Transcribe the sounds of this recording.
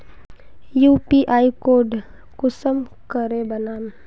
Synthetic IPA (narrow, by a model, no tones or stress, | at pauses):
juːpiʔaːikoːɖ | kʊsəm | kəɾebənaːm